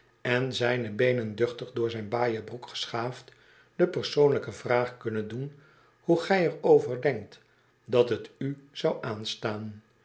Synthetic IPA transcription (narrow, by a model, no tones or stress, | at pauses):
ɛnzɛjnəbejnəndʏχtəχdʊːɹzɛjnbaːjəbrukχə̥sχaːft | d̥əpərsownləkəvraːχkɵnəndun | huχɛjərowvəɹdɛŋk̚t | dɑtɦətyz̥ɑwʔaːnstaːn